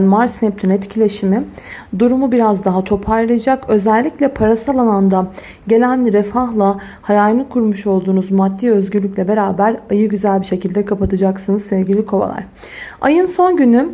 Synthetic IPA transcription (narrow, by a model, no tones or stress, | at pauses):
nmaɾsnɛp̚t̪ʰynɛt̪cʰilʲe̞ʃimid̪uɾumubiɾazd̪aɦat̪ʰo̞pʰaɾlˠajad͡ʒakø̞zɛlʲːiclʲɛpʰaɾasalˠalˠand̪a | ɟe̞lʲænɾefaɦlˠa | hajaːlɯnɯkʰuɾmuʃo̞lˠd̪uːnuzmad̪ːiːø̞zɟyɾlʲycʲlʲɛbe̞ɾaːbæɾajɯɟyzælʲbiʃe̞cʰilʲd̪ɛkʰapat̪ʰɯd͡ʒaksɯnɯzsɛvɟilʲikʰo̞va̰lˠa̰ɾ̥ | a̰jɯnso̞nɟyny